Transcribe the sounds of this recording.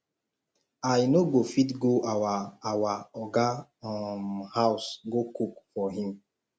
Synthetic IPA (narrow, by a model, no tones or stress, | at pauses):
ajnoɡofitɡoʔawaawaɔɡamhaʊsɡokukfɔɦĩm